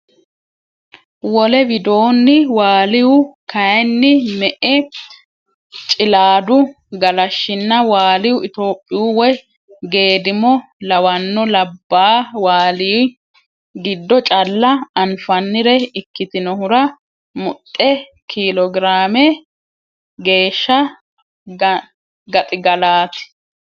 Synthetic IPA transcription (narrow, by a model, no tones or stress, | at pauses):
wɔlɛbɪd̪o̞ːnːɪwaːlɪwʊkɐjɛnːɪmɛʔɛ | t͡ʃʼɪlaːd̪ʊ | ɡɐlɐʃːɪnːɐwaːlɪwʊʔɪt̪o̞ːpʼːɪʊwɔj | ɡe̞ːd̪ɪmɔlɐwɐnːɔlɐbːaːwaːliː | ɡɪd̪ːɔt͡ʃʼɐlːɐɐnfɐnːɪɾɛɪkːɪt̪ɪnɔhʊɾɐ | mʊt̪ʼːɛ | kʰilɔɡɪɾaːmɛ | ɡe̞ːʃːɐ | ɡɐt̪ʼɪɡɐlaːt̪ɪ̥